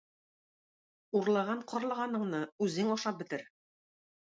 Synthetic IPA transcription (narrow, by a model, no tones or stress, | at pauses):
uɾlˠɑʁɑɴqʰɒ̆ɾlˠɤ̆ʁɑnɤ̆ɴnɤʉzɘŋɒʃɑp̚bɘ̆t̪ɘɾ